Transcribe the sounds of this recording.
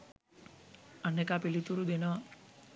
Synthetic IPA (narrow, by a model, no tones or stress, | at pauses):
ɐnːekapilit̪uɾud̪enɔ